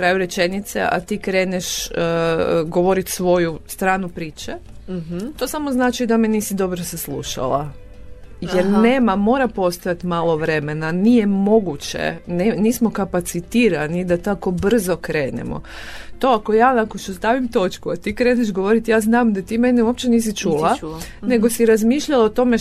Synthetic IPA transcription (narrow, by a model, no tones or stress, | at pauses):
kɾajuɾe̞t͡ʃe̞nit̪sḛʔa̰t̪iːkɾe̞ːneʃ | ɡo̞ʋo̞ɾit̪sʋo̞just̪ɾaːnupɾiːt͡ʃe | t̪o̞ːsamoznaːt͡ʃid̪ameniːsid̪o̞bɾosaslˠṵʃa̰lˠa̰ | jeɾneːmamo̞ːɾapo̞st̪ojat̪imaːlˠo̞ʋɾe̞menanijemo̞ɡut͡ɕḛneniːsmokapat̪sit̪iːɾanid̪at̪ako̞br̩zo̞kɾe̞ːnḛmo̰ | t̪o̞akojaːnakot͡ʃust̪aʋimt̪o̞t͡ʃkuat̪iːkɾe̞ːneʃɡo̞ʋo̞ɾit̪jaːznaːmd̪at̪iːme̞neuwop̚t͡ɕeniːsit͡ʃuːlˠa | ne̞ɡosiɾazmiːʃʎalaot̪o̞me